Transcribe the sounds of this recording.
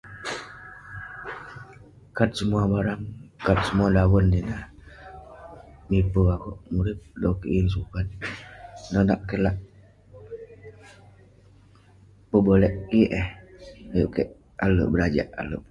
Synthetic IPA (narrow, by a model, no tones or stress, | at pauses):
kat̪̚səmuabaɾaŋkat̪̚səmuadawəndina | mipəakɔʔmuɾip̚dokeʔins̬ukat̪̚ | nɔnaʔkəlaʔ | pəbəlɛʔiʔɛhajuʔkeʔ | alə̰bəɾad͡ʒaʔa̰ləʔ